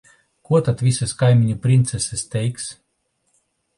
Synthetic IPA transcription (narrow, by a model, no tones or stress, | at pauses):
kuɔt̪at̪vʲisaskajmʲiɲʲupɾint̪sɛsɛst̪ʲɛjks